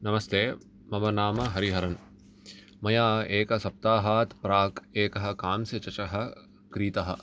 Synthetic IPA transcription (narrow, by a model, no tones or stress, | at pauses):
nɐmɐst̪ʰeː | mɐmɐnaːmɐɦɐɾiɦɐɾɐn | mɐjaːeːkɐsɐp̚t̪aːɦaːt̪pɾaːkeːkɐɦɐ̆kaːmsɐt͡ʃɐt͡ʃɐɦɐ | kɾiːt̪ɐɦɐ̰̆